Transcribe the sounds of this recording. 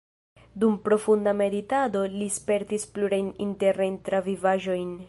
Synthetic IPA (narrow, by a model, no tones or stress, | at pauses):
dumpɾo̞fundame̞ditado̞lispe̞ɾtispluɾajninte̞ɾnajntɾavivaʒo̞jn